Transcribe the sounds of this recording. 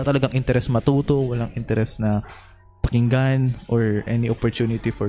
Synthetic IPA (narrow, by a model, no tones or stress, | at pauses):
at̪ɐlɐɡaŋʔɪnt̪ɛɾʔɛsmɐt̪uːt̪o̞wɐlaŋʔɪnt̪ɛɾɛsnɐ | pɐkɪŋɡanʔoɹʔɛ̰niʔopɔɹt̪juːnɪt̪ifɔ